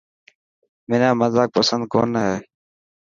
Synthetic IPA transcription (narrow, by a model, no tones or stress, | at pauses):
mɪːnãːməzaːk̚pəsənd̪̚ko̰ːnəɦeː